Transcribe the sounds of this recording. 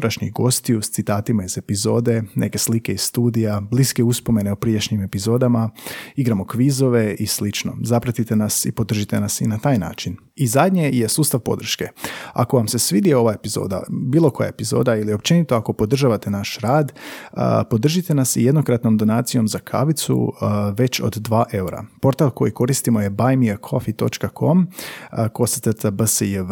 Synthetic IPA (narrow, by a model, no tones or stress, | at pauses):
ɾaʃɲiɡo̞st̪iust̪sit̪aːt̪imaize̞pizo̞ːd̪e̞nʔe̞̰ke̞slike̞izst̪uːd̪ijabliskeuspo̞me̞neupɾieʃɲime̞pizo̞ːd̪amaiɡɾamo̞kʋizo̞ʋe̞islit͡ʃno̞̰zapɾat̪it̪e̞nasḭpo̞d̪r̩ʒit̪e̞nasinat̪aːjna̰ːt͡ʃin | izad̪ʲɲeje̞suːst̪aʋpo̞̰d̪r̩ʃke̞a̰ko̞ʋamse̞sʋid̪ieo̞ʋae̞pizo̞̰ːd̪a̰biːlo̞ko̞ja̰epizo̞̰ːd̪ailio̞p̚t͡ʃe̞nit̪oako̞po̞d̪r̩ʒaːʋat̪e̞naʃɾaːd̪̰ | po̞d̪r̩ʒit̪e̞nasḭje̞d̪no̞kɾat̪no̞md̪o̞naːt̪sijo̞mzakʰa̰ʋit̪sṵʋe̞t͡ɕo̞̰d̪ːʋaːʔe̞uɾa̰po̞ɾt̪alˠko̞jiko̞ɾist̪imo̞je̞bajmiɾkʰo̞fit̪o̞t͡ʃkakʰo̞mko̞st̪əɾt̪abəsij